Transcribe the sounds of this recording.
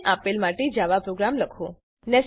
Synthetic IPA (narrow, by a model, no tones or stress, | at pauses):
ʔapelmaʈed͡ʒaʋapɾoɡɾamləkʰõ | nɛs